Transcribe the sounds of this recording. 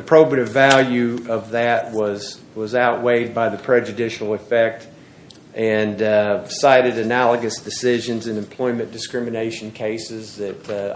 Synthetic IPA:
ɨpʰɹ̥oʊbɨɾɨvælˠjʉʌvðɨt̚wʌz̥ | wʌzaʊʔ̚weɪd̚baɪðɨpʰɹ̥ɛd͡ʒɨdɪʃl̩ˠəfɛk̚t | ʔɨ̃nsaɪɾɨɾɨnælˠəɡɨsd̥ɨsɪʒɨ̃nzɨ̃nɨ̃mpʰl̥ɔ̃ɪ̃mɨ̃nd̥ɨskɹɪmɨneɪʃn̩kʰeɪsɪzðɨt

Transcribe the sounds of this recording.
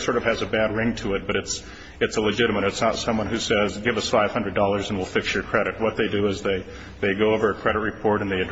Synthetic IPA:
sɔɹɾʌv̥ɨzɨbæd̚ɹɪ̃ŋtʰɨɨt̚b̥ʌɾɨts | ɨtsəlɨd͡ʒɪɾɨmɨɾɨtsnətsʌ̃mwʌ̃nhʉsɛzɡɪvʌsfaɪv̥hʌ̃ndɹɨdɔlˠə˞zɨ̃n̩wɪlˠfɪksjə˞kʰɹ̥ɛɾɨt̚wʌt̪̚ðeɪdɨɪzðeɪ | ðeɪɡoʊoʊvə˞ɨkʰɹ̥ɛɾɨt̚ɹɨpʰɔɹɾɨ̃nðeɪɨd

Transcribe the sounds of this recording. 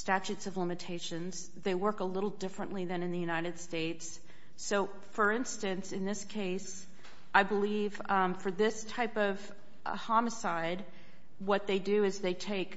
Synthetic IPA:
stæt͡ʃʉtsʌvlɪ̃mɨtʰeɪʃɨ̃nz̥ | ðeɪwɜ˞kəlɪɾl̩ˠdɪfɹɨ̃nʔliðɨ̃nɨ̃nðɨjʉnaɪɾɨd̥steɪtsː | oʊ | fə˞ɪ̃nstɨ̃nsɨ̃nðɪskʰeɪs | ʔaɪbəlivfə˞ðɪstʰaɪpʌv̥ | ʔhɑməsaɪd̚ | wʌt̪̚ðeɪdɨɨzðeɪtʰeɪk

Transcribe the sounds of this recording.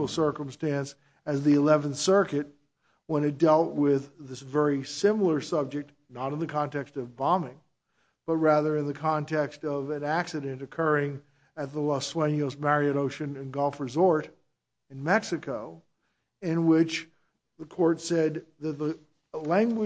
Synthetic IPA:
l̩ˠsɜ˞kə̃m̩stæ̃ns | ɨzðiɨlɛṽnθsɜ˞kɨt̚ | wə̃ñɨt̚d̥ɛlˠʔ̚wɪðɨvɛɹisɪ̃ml̩ˠə˞sʌb̚d͡ʒɨk̚t | nəɾɨ̃n̩ðɨkʰɑ̃ntɛkstʌvbɑmɪ̃ŋ | b̥ʌt̚ɹæðə˞ɨ̃nðɨkʰɑ̃ntʰɛkstʌvɨ̃næksɨɾɨ̃ntɨkʰɜ˞ɪ̃ŋ | ɨt̪̚ðəlɑswẽɪ̃njoʊsmɛɹiɨɾoʊʃɨ̃nɨ̃nɡʌlˠfɹɨzɔɹɾ | ɨ̃nmɛksɨkʰoʊ | ɪ̃nwɪt͡ʃ | ðɨkʰɔɹtsɛd̪̚ðɨt̪̚ðə | læ̃ŋɡwɨ

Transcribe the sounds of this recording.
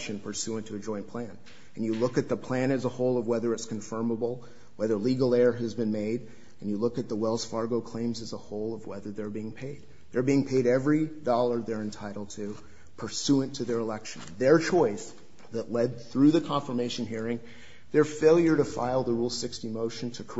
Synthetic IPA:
ʃɨ̃npʰə˞sʉə̃ntʰɨɨd͡ʒɔ̃ɪ̃npʰl̥æ̃n | ɨ̃njɨlʊkɨt̪̚ðəpʰl̥æ̃ñɨzəhoʊlˠʌvwɛðə˞ɨtskʰɨ̃ɱfɜ̃˞məbl̩ˠ | wɛðə˞liɡl̩ˠɛɹɨzbɨ̃nmeɪɾ | ɨ̃n̩jɨlʊkɨt̪̚ðəwɛlˠz̥fɑɹɡoʊkʰl̥ẽɪ̃mzɨzəhoʊlˠʌvwɛðə˞ðə˞biɪ̃ŋpʰeɪd̪̚ | ðə˞biɪ̃ŋpʰeɪɾɛvɹidɔlˠə˞ðə˞ɨ̃ntʰaɪɾl̩ˠd̚tʰɨ | pʰə˞sʉɨ̃ntʰɨðə˞əlɛkʃn̩ðə˞t͡ʃʰɔɪs | ðɨʔˡlɛd̪̚θɹʉðɨkʰɑ̃ɱfə˞meɪʃɨ̃nɦiɹɪ̃ŋ | ðə˞feɪlˠjə˞ɾɨfa̰ɪlˠðəɹulˠsɪkstimoʊʃɨ̃n̩tʰɨkʰ

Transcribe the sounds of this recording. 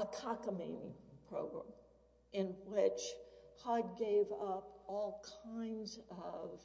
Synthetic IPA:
əkʰɑkəmḛ̃ɪ̃nḭpʰɹ̥oʊɡɹæ̰̃m | ɪ̃nwɪt͡ʃhaɪd̚ɡeɪvʌpɔlˠkʰãɪ̃ndzʌv̥

